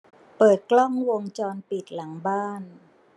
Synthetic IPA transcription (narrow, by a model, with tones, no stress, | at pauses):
pɤː˨˩t̪̚klɔ˥˩ŋwo˧ŋt͡ɕɔː˧npi˨˩t̪̚la˩˦ŋbaː˥˩n